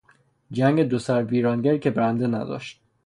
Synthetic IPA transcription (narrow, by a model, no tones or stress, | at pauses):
d͡ʒæŋɡed̪osæɾbiːɾɒːnɟæɾicʰʲebeɾænd̪enæ̰d̪ɒ̰ːʃt̪̚